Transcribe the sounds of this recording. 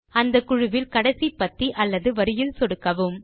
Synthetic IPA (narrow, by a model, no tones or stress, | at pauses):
ɐnd̪ɐkʊɻʊʋɪlkɐɽɐsipːɐt̪ːiʔɐlːɐðɯʋɐɾɯjɪlsɔɽɯkːɐʋɯm